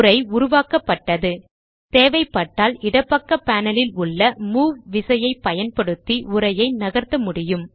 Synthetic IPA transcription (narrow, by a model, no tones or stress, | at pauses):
ɾɐɪʊɾʊʋaːkɐpːɐʈːɐðɯ | t̪eːʋɐɪpːɐʈːaːlɪɽɐpːɐkːɐpaːnɐlɪlʊɭːɐmuːʋɪsɐjɐɪpːɐjɐnpɐɽɯt̪ːiʊɾɐjɐɪnɐɣɐɾt̪ːɐmʊɽɪjɯm